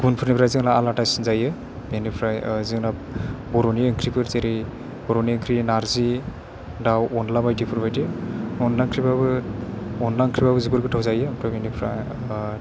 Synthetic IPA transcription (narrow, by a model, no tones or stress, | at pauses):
ɡ̥unpʰɯɾnipʰɾaziŋlaːlatajsinzajɯ | benipʰɾazɯŋna | bɔɾɔniɯŋkʰɾipʰɯɾzeɾi | b̥ɔɾɔniɯŋkʰɾinaɾzi | dawɔnlabajdipʰuɾbajdiɯɔnlaŋkʰɾibabɯ | ɔnlaŋkʰɾibabɯzibɯɾɡɯtʰawzajɯmpʰɾabenipʰɾa